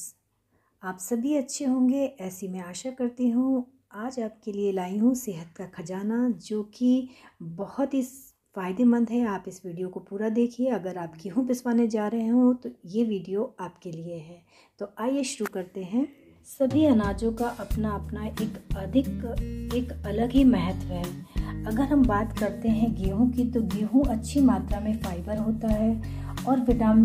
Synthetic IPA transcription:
aːpsɐbʱiɐtːʃʰeɦõːŋɡeʔɛːsimẽaːʃakɐɾt̪iɦũ | aːd͡ʒaːp̚kelielaːiɦũseɦət̪kakʰɐd͡ʒaːnad͡ʒoːkibɐhʊt̪ɦi | faːɪd̪emɐ̃nd̪ɦɛaːpɪsʋiːɖijokopuːɾad̪eːkʰieɐɡəɾaːpkiɦũpɪswaːned͡ʒaːɾɐɦeɦũt̪ojeʋiːɖijoaːpkelieɦɛ̃ː | t̪oʔaːjeʃʊɾukɐɾt̪eɦɛ̃ː | sɐbʱiɐnaːd͡ʒõkaʔɐpnaɐpnaʔeːkɐd̪ʱɪkeːkɐləɡɦimɛɦət̪ʋɦɛːɐɡəɾɦɐmbaːt̪kɐɾt̪eɦɛ̃ɡiːɦũkit̪oɡiɦũʔɐtːʃʰimaːt̪ɾamẽfaːɪbəɾɦoːt̪aɦɛː | ɔːɾʋɪɖaːm

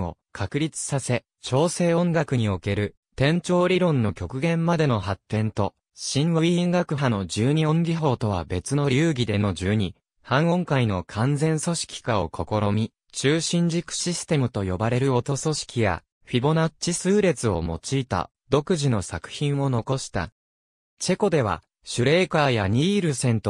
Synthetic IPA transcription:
o̞̰kʰakɯ̟ɾʲit͡sɨ̥sase̞ | t͡ɕo̞ːse̞ːõ̞ŋɡakɯ̟ɲ̟io̞ke̞ɾɯ̟ | t̪ẽ̞ɲ̟t͡ɕo̞ːɾʲiɾõ̞nːo̞kʲo̞kɯ̟ɡẽ̞mːad̪e̞no̞ɦat̪ːẽ̞nt̪o̞ | ɕĩɰ̃βoiĩŋɡakɯ̟ɦano̞d͡ʑɨːɲ̟iõ̞ŋɡʲiɦo̞ːt̪o̞β̞a̰be̞t͡sɨno̞ɾʲijɯːɡʲid̪e̞no̞d͡ʑɨːɲ̟i | hãɰ̃õ̞ŋkaino̞kʰãnd͡zẽ̞ɰ̃so̞ɕi̥kʲi̥kao̞kʰo̞ko̞ɾo̞mʲi | t͡ɕɨːɕĩɲ̟d͡ʑikɯ̟̥ɕisɨ̥t̪e̞mɯ̟t̪o̞jo̞baɾe̞ɾɯ̟o̞t̪o̞so̞ɕi̥kʲija̰ | ɸʲibo̞nat͡ɕisɨːɾe̞t͡sɨo̞̰mo̞̰t͡ɕiːt̪a̰ | d̪o̞kɯ̟ʑino̞sakɯ̟̥çĩɰ̃o̞no̞ko̞ɕi̥t̪a̰ | t͡ɕe̞ko̞d̪e̞βa̰ | ɕɨɾe̞ːkaːjaɲ̟iːɾɯ̟sẽ̞nt̪o

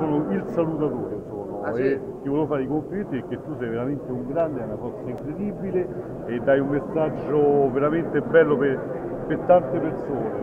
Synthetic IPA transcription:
ɔːnoilsalut̪at̪oːɾensoːnoe | t̪ːivɔlefaːɾikoɱflit̪ːiekːet̪ːusɛjveɾament̪euŋɡɾand̪eɛunafɔrt̪saiŋkɾed̪ibile | ed̪ːajumːesːad͡ʒːoveɾament̪ebɛlːope | pert̪ːant̪epersoːne

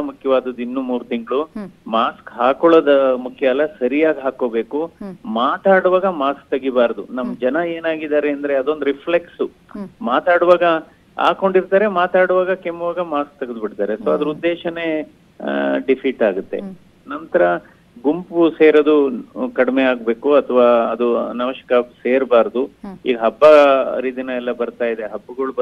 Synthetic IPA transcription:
ɐmukʰjɐʋaːd̪ɐd̪inːumuːɾut̪iŋɡɐɭumaːskɦaːkoɭɐd̪ɐmukʰjɐlːɐsɐɾijaːɡɦaːko̞ːbe̞ːkumaːt̪aːɽuʋaːɡɐmaːsk̚t̪ɐɡibaːɾd̪unɐmːɐd͡ʒɐnɐe̞ːnaːɡid̪aːɾeɐnd̪ɐɾe̞ɐd̪o̞nd̪uɾipʰleksu | maːt̪aːɽuʋaːɡɐ | a̰ːko̞ɳɖiɾt̪aːɾe̞maːt̪aːɽuʋaːɡɐkemːuʋaːɡɐmaːsk̚t̪ɐɡɐd̪ubiʈt̪aːɾesoɐd̪ɐɾud̪ːeːʃɐne̞ | ɖipʰiʈaːɡut̪ːe̞̰ | nɐnt̪ɐɾɐ | ɡumpuse̞ːɾɐd̪ukɐɽmeaːɡbe̞ːkuɐt̪ʰɐʋaːɐd̪unɐmɐʃɐ̥kɐseːɾbaːɾd̪uḭːɡɐɦɐbːɐɾid̪inɐɛlːɐbɐɾt̪aːjd̪e̞ɦɐbːuɡɐɭu

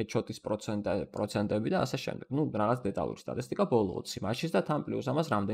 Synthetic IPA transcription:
ɛt͡ʃʰɔt̪ʼispʼɾɔɛt̪ʼɛpʼɾɔt̪sʰɛnt̪ʼɛbid̪aːsɛʃɛ̰md̪ɛɡ̥nuɾaʁat̪sʰd̪ɛt̪ʼa̰lˠṵɾist̪ʼa̰t̪ʼist̪ʼikʼabɔlˠɔ̰ːt̪sʰimaʃʰisd̪at̪ʰanpʼliusamasɾamd̪ɛ

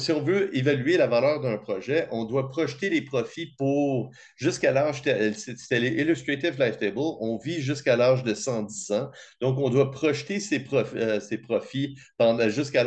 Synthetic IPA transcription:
siɔ̃vøevalyelavalœːʁd̪œ̃pχɔʒɛʔɔ̃d̪wapχɔʃt̪elepχɔfipuʁ | ʒʏskalaʁʒt̪ɛsese̥t̪ɛleʔilyst̪ʁat̪ɪvlajft̪ebəlɔ̃viʒʏskalaʁʒd̪əsɑ̃d̪izɑ̃d̪̥ɔ̃k̬ɔ̃d̪wapχɔʃt̪esepχɔfsepχɔfipɑ̃ʒʏskal

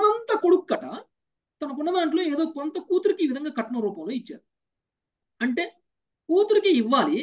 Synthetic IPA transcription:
ɐʋɐnt̪ɐkoɽukːɐʈɐ | t̪ɐnɐkuɳːɐd̪aːɳʈilo̞ːeːd̪o̞ːkɔnt̪ɐkuːt̪uɾikiːʋid̪ʱɐŋɡaːkɐʈːɐɳɐmɾuːpɐmlo̞ːit͡ʃːa̰ːɾu | ɐɳʈe̞ː | kuːt̪uɾikiiʋːaːli

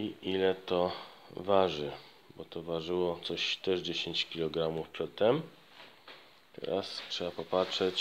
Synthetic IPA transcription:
iʔilɛt̪ɔvaʐɘ | bɔt̪ɔvaʐɘwɔt̪sɔɕt̪ɛʐd͡ʑeɕeɲt͡ɕkʲilɔɡɾamufpɛt̪ɛm | t̪ɛ̰ɾastʂɛbapɔpatʂɛt͡ɕ

